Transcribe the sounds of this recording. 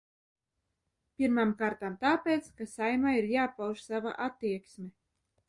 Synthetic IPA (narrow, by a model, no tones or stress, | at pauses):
pʲiɾmamkaːɾt̪amt̪aːpʲet̪skasajmaiɾjaːpawʒsava̰ʔat̪ːiɛksmʲe